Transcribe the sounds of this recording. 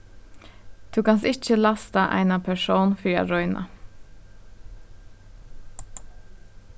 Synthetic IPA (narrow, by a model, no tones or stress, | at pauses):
t̪ʰuːkɑnsɪc͡çəlɑst̪ɑ̰ːʔæ̰ɪnɑpʰæʃoːnfyːɑ̰ɾɔʏnʔɑ̰